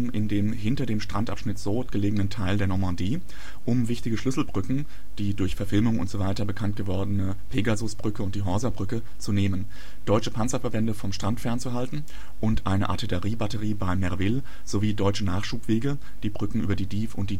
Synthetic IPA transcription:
mʔɪndeːmhɪntɐdeːmʃtʁ̥antʔa̰pʃnɪtz̥ɔːtɡ̥əleːɡənəntʰaɪldeːɐnɔɐmɑ̃ndiː | ʔʊmvɪçtɪɡəʃlʏsl̩bʁʏkŋ̩ | d̥iːdʊɐçfɛɐfɪlmʊŋʊ̰ntz̥ovaɪtɐbəkʰant̚ɡ̥əvɔɐdənə | pʰeːɡazʊsb̥ʁʏkəʊnt̚d̥iːɦɔɐzɐbʁʏkə | t͡suneːmən | d̥ɔʏt͡ʃəpʰant͡sɐfɛɐbɛndəfɔmʃtʁ̥antfɛɐnt͡suɦaltn̩ | ʔʊntʔaɪnə̰ʔa̰tʰeləʁiːbatəʁiːbaɪmːɛɐvɪl | z̥oviːdɔʏt͡ʃənaːχʃuːpv̥eːɡə | d̥iːbʁʏkŋ̩ʔyːbɐdiːdiːfʊnt̚d̥iː

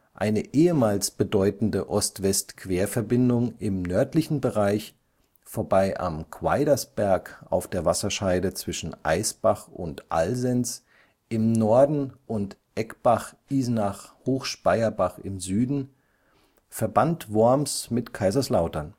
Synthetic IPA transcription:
ʔa̰ɪnəʔeːəmaːlsb̥ədɔʏtn̩dəʔɔstv̥ɛstkv̥eːɐfɛɐbɪndʊŋɪmnœɐtlɪçn̩bəʁaɪç | foːɐbaɪʔa̰mkʰv̥a̰ɪɾɐsb̥ɛɐkʔa̰ʊfd̥eːɐvasɐʃaɪdət͡sv̥ɪʃn̩ʔa̰ɪsb̥aχʊ̰ntʔa̰lzɛnt͡s | ʔɪmnɔɐdn̩ʔʊntʔʔɛkb̥aχʔiːznaχhoːxʃpaɪɐbaχɪmzyːdn̩ | fɛɐbantv̥ʊɐmsmɪtkʰaɪzɐslaʊtɐn

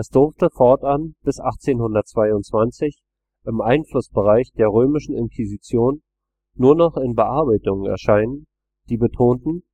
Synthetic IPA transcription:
ʔɛsd̥ʊɐftəfɔɐtʔanb̥ɪsʔaχt͡seːnhʊndɐtt͡sv̥aɪʊntt͡sv̥ant͡sɪç | ʔɪmʔaɪnflʊsb̥əʁaɪçd̥eːɐʁ̞øːmɪʃn̩ɪ̰nkʰizit͡sjoːnː | uːɐnɔχɪnbəʔaɐbaɪtʊŋənɛ̰ɐʃaɪnən | d̥iːbətʰoːntn̩

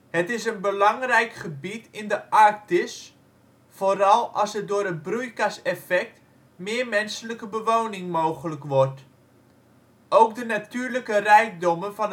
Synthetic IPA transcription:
hətɪsənbəlɑŋrɛjkχəbitɪndəʔaɹk̚tɪs | foɾɑlˠɑsət̚dʊːɾənbrujkasɛfɛk̚t | mɪːɹmɛnsələkəbəʋownɪŋmowχələkʋɔɹt | ʔowkdənatyːɹləkərɛjk̚dɔmənfɑn

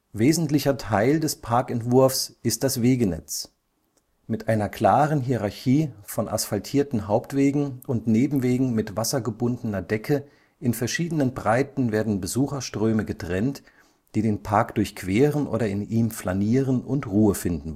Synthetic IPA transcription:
veːzn̩tlɪçɐtʰaɪldɛspʰaɐkɛntv̥ʊɐfsʔɪst̚d̥asv̥eːɡənɛ̰t͡s | mɪtʔaɪnɐkʰl̥aːʁənɦiːʁaɐçiːfɔnʔa̰sfaltʰiːɐtn̩ɦaʊptv̥eːɡŋ̩ʊntneːbm̩veːɡŋ̩mɪtv̥asɐɡəbʊndənɐdɛkʰə | ʔɪnfɛɐʃiːdənənbʁaɪtn̩veːɐdn̩bəzuːxɐʃtʁ̥øːməɡətʁ̥ɛnt | d̥iːdeːnpʰaɐkd̥ʊɐçkv̥eːʁənʔo̰ːɾɐɪniːmflaniːʁənʊntʁuːəfɪndn̩

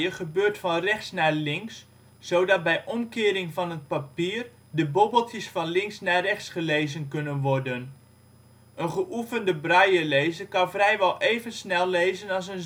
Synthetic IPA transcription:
əχəbøːrtfɑnrɛχtsnaːlɪŋks | sowdɑt̚bɛjʔɔmkɪːɾɪŋvɑnət̚papiːər | dəbobəlˠtjəsfɑnlɪŋsnaːrɛχtsχəlejzənkɵnənʋɔrdən | ənχəʔufəndəbrajəlejzəkɑnvrɛjʋɛlˠʔeːvənsnɛlˠlejzənɑlˠs̬ən

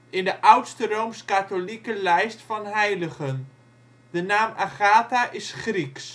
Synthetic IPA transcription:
ɪndəʔawtstərowmskatolikəlɛjstfɑnɦɛjləχən | d̥ənaːmaχaːtaʔɪsχriks

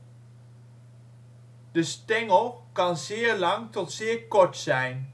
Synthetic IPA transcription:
d̥əstɛŋəlˠkɑnzɪːəɹlɑŋtɔtsɪːɹkɔɹtsɛjn

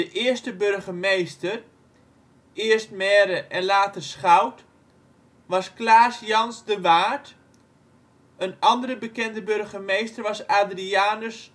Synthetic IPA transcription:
dəʔɪərstəbørχəmejstər | ɪərstmɛːɾəʔɛnlaːtərsχawt | ʋɑsklaːsjɑnsdəʋaːrt | ənɑndərəbəkɛndəbørχəmejstərʋɑsaːdriaːnəs

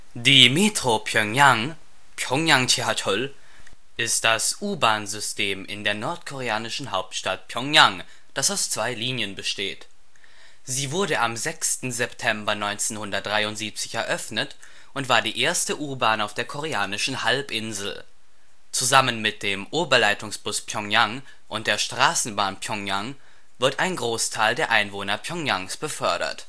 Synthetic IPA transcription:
diːmetʁ̥opʰjɔŋjaŋ | pʰjɔŋjaŋtʰeatʰɔl | ʔɪstd̥asʔuːbaːnzʏstʰeːmɪ̰ndeːɐnɔɐtkʰoʁ̞eaːnɪʃn̩ɦaʊp̚tʃtat̚pʰjɔŋjaŋ | d̥asaʊst͡sv̥aɪliːnjənbəʃtḛːt | z̥iːvʊɐɾəʔamzɛkstn̩zɛptʰɛmbɐnɔʏnt͡senhʊndɐt̚d̥ʁaɪʊntz̥iːp̚t͡sɪ̥çɛɐʔœfnət | ʔʊntv̥aːɐdiːʔeːɐstəʔuːɐbaːnaʊfd̥eːɐkʰoʁ̞eaːnɪʃn̩halpʔɪnzl̩ | t͡suzamənmɪt̚d̥eːmʔuːbɐlaɪtʊŋsb̥ʊspʰjɔŋjaŋ | ʔʊnt̚d̥eːɐʃtʁ̥aːsn̩baːnpʰjɔŋjaŋ | vɪɐtʔaɪnɡʁoːstʰaɪldeːɐʔaɪnvoːnɐpʰjɔŋjaŋsb̥əfœɐɾɐ̰t

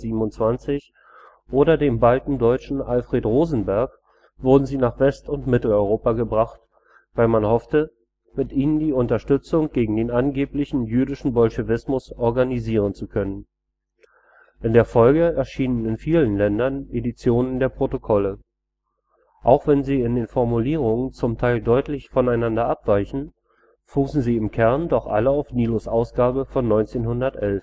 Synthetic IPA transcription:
ziːbm̩ʊnt͡sv̥ant͡sɪç | ʔoːɾɐdeːmbaltn̩dɔʏt͡ʃn̩ʔalfʁ̥eːtʁoːzn̩bɛɐk | v̥ʊɐdn̩ziːnaːχv̥ɛstʊntmɪtl̩ɔʏʁ̞oːpaɡəbʁaχt | v̥aɪlmanhɔftə | mɪtʔiːnəndiːʊntɐʃtʏt͡sʊŋɡ̥eːɡŋ̩deːnanɡeːplɪçn̩jyːdɪʃn̩bɔlʃevɪsmʊsɔɐɡaniziːʁ̞ənt͡sukʰœnən | ʔɪndeːɐfɔlɡəɛɐʃiːnənɪnfiːlənlɛndɐnʔedit͡sjoːnəndeːɐpʁ̥otokʰɔlə | ʔaʊxv̥ɛnziːɪndeːnfɔɐmuliːʁ̞ʊŋənt͡sʊmtʰaɪldɔʏtlɪçfɔnaɪnandɐʔapv̥aɪçn̩ | fuːsn̩ziːɪmkʰɛɐndɔχʔa̰ləaʊfniːlʊsʔaʊsɡ̥aːbəfɔnːɔʏnt͡seːnhʊndɐtʔɛlf

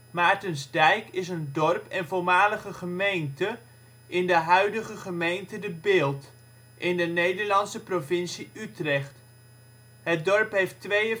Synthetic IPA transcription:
maːɹtənzdɛjkɪsəndɔrpɛnvoɹmaːləχəχəmejntə | ʔɪndəɦœɥdəχəχəmejntədəbɪːlˠt | ʔɪndənejdəɹlɑnsəprovɪnsiytrɛχt | ɦət̚dɔɹpɦejftʋejə

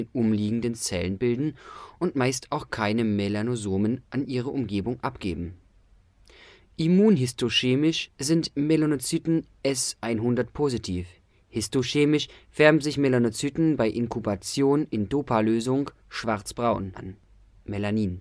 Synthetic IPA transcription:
eːnʔʊmliːɡŋ̩dənt͡sɛ̰lənbɪldn̩ʔʊntmaɪstʰaʊxkʰaɪnəmelanozoːmənʔanʔiːʁ̞əʔʊmɡeːbʊŋʔapɡ̥eːbm̩ | ʔimuːnɦɪstoʃeːmɪʃzɪntmelonot͡syːtn̩ | ʔɛsʔaɪnɦʊndɐtpʰozitʰiːf | hɪstoʃeːmɪʃv̥ɛɐbm̩zɪçmelanot͡syːtn̩baɪʔɪnkʰubat͡sjoːnɪndoːpʰaløːzʊŋ | ʃv̥aɐt͡sb̥ʁaʊnʔa̰n | melaniːn

